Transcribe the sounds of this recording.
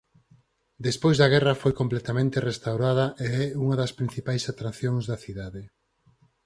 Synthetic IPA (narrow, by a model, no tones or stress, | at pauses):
d̪espojzðɐɣ̞ɛrɐfojkomplɛt̪amẽnt̪erest̪awɾað̞ɐʔeɛuŋɐðɐspɾin̟θipajsat̪ɾaθjoŋzðɐθiðaðe